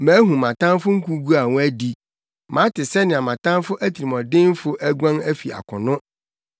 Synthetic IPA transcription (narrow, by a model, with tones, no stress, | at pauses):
mæ̃ː˨˦ɦũ˨mã˨tʰã˦m˦fʊ˦ŋ̩˦kʰu˦ɡu˦a˨wʊ̃˦æ˦di˦ | mã˨˦tɪ˨sɛ˦nɪ̃˨a˨mã˨tã˦nfʊ˦ʔæ˦tʰi˨ɾi˨mɔ̃˨dɪ̃˦n˦fʊ˦ʔæ˦ɡʷã˦ŋæ˦fi˨a̰˨kʰʊ̃˨nʊ̃˦